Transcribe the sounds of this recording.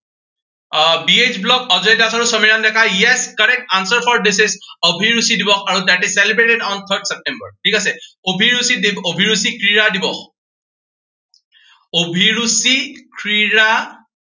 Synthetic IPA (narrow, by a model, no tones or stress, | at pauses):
bied͡ʒblɔkɔzɔjdasaɹusɔmiɹandɛkajɛskaɹɛk̚ʈansɔɹpʰɔɹdisisobʱiɹusidibɔxaɹud̪aʈizsɛlibɹeʈedɔnt̪ʰəɹdsɛp̚ʈɛmbə̰ɹʈʰikasɛ | obʱiɹusidiobʱiɹusikɹiɹadibɔx | obʱiɹusikɹiɹa